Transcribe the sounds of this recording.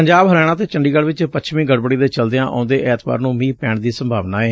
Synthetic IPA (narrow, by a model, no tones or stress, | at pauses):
əɲd͡ʒaːbɦəɾɛːɽ̃aːt̪eːt͡ʃəɳɖiːɡəɽʋɪt͡ʃpət͡ʃʰmĩːɡəɽbəɽiːd̪eːt͡ʃəld̪eãːʔã̰ːnd̪eːʔɛːt̪ba̰ːɾnũːmĩːpɛːɳd̪iːsəmbʱaːʋnaːeː